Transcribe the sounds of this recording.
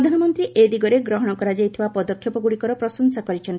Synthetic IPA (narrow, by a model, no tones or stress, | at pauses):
d̪ʱanɔmɔnt̪ɾiʔed̪iɡɔɾeɡɾɔɦɔɽ̃ɔkɔɾad͡ʒajt̪ʰibapɔd̪ɔkʰjɔpɔɡuɽikɔɾɔpɾɔsɔŋsakɔɾit͡ʃʰɔnt̪i